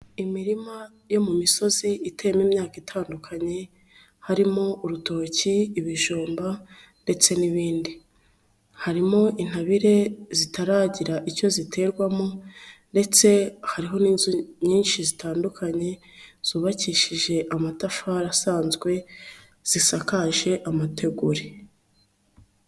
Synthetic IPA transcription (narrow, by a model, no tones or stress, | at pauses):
imiɾima | jo̞mumiso̞ziite̞ːmeːmɲaːkitʰaːndukʰaɲe̞ | haɾimo̞ʔuɾuto̞ːciːβiʒuːmba | nde̞t͡se̞niβiːndi | haɾimo̞ʔin̥haβiɾe̞zitaɾaːɟiɾaʔiɾco̞zitʰe̞ːɾɡwamonde̞t͡se̞haɾiɦo̞niːnzuɲiːnʃizitaːndukʰaɲe̞ | z̥uːβaciːʃiʒe̞ʔamatafaɾasaːnzɡwe̞ | z̥isakaʒe̞ʔamatʰe̞ɡuɾe